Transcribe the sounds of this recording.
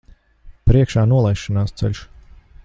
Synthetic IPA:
pɾiɛkʃaːnuɔlˠajʃːɔnaːst̪sɛ̰lʎʲʃ

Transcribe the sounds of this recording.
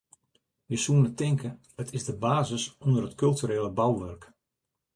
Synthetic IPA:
ʋisuənətɪŋkʰə | ətʰɪzdəbaːzəsɔndərɦətkɵlˠtyɾeːləbawʋørk

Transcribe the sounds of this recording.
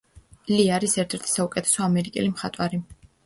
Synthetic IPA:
liaɾisɛɾt̪ʰɛɾt̪ʰi̥saukʼɛt̪ʰɛ̥sɔamɛɾikʼɛ̰limχat̪ʼwaɾi

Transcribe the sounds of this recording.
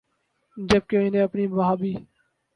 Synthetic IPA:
d͡ʒəb̚keɪnẽːəpniːbaɦaːbʱiː

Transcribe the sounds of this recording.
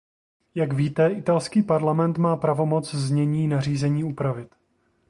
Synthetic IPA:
jakviːt̪ɛɪt̪alskiːpaɾlamɛnt̪maːpɾavo̞mo̞t͡szɲɛɲiːnar̝iːzɛɲiːupɾavɪt̪

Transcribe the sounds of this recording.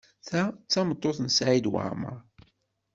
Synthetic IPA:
θæt͡sːɑmət̪ˤːoθnsʕid̪wə̰ʕmə̰ɾˤ

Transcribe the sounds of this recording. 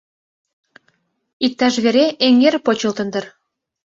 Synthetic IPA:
ik̚t̪ɑʃβeɾeʔeŋerpot͡ɕə̆lt̪ə̆nd̪ə̆r

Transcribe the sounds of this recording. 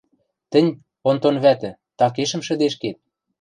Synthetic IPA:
t̪ɘ̆nʲ | ont̪onβæt̪ɘ̆ | t̪ɑkeʃə̆mʃɘ̆d̪eʃket̪̚

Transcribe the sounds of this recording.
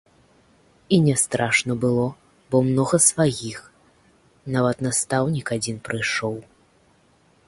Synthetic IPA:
inʲɛst̪ɾaʂnɐbɨlˠɔ | bɔmnɔɣɐsvajʲix | navɐt̪nast̪awnʲikad͡zʲinpɾɨjʂɔw

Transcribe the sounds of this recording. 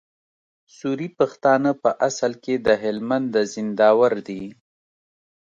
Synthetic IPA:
suɾipaxt̪ɑnəpəʔasalked̪əɦɪlmand̪ːəzɪnd̪ɑwaɾd̪i

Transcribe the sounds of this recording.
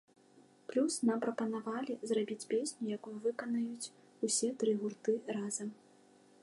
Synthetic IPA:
plʲusnampɾɐpɐnavalʲizrabʲit͡sʲpʲesʲnʲujakujuvɨkɐnɐjut͡sʲ | usʲɛt̪ɾɨɣurt̪ɨrazɐm

